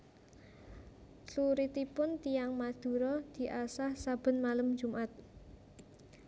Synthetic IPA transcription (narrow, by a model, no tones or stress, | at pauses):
ɬuɾit̪ipʊnt̪ijaŋmad̪̥ṳɾɔd̪̥i̤ʔasahsab̥ə̤nmaləm̥d͡ʒ̥ṳmʔat̪̚